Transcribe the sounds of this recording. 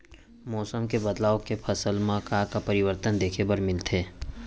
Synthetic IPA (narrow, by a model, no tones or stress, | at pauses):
mɔːsəmkebɐd̪laːokepʰɐsəlmãkakapɐɾɪwəɾt̪ənd̪eːkʰebɐɾmɪlt̪ʰeː